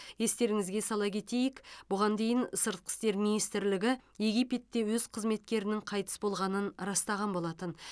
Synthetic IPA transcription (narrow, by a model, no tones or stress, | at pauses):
je̞st̪e̞ɾɪŋɪzɡʲe̞sɑlˠɑkʲʰe̞t̪e̞jɪkbʊʁɑnd̪e̞jɪnsəɾt̪̚qə̥st̪e̞ɾminijst̪ɪɾlɪɡʲɪje̞ɡʲijpe̞t̪ːe̞wɵz̥qʰəzme̞t̪kʲe̞ɾɪnɪŋqʰɑjt̪ə̥sbo̞lˠʁɑnənɾɑst̪ɑʁɑnbo̞lˠɑt̪ən